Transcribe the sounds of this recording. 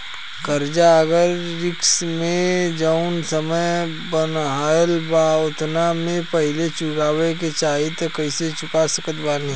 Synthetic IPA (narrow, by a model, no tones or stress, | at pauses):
kəɾd͡ʒaəɡəɾːɪksmẽd͡ʒaʊnsəməj | bənɦaːjlbaːʊt̪ʰnamẽpəɦɪlet͡ʃʊɾaːwek̬et͡ʃaːɦit̪okɐiset͡ʃʊkasəkət̪baːnĩ